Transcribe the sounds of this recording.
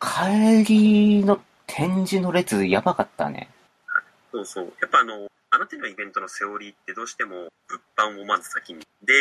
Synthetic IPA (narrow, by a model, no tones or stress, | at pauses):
kʰaɾʲino̞ | t̪ʰẽ̞ɲ̟d͡ʑino̞ɾe̞t͡sɨjabakat̪ːa̰nḛ | ha | so̞ːso̞ːjapːaːno̞ | anat̪aɲ̟ʲiaibẽ̞nt̪o̞no̞se̞oɾʲit̪ːe̞d̪o̞ːɕi̥t̪e̞moɸɯ̟pːãɰ̃omanɨ̥sakʲiɲ̟i | d̪e̞